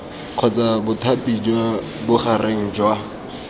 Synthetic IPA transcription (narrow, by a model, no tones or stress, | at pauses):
q͡χʰɔt͡sabʊtʰatʼid͡ʒwa | bʊχareŋ̩d͡ʒwa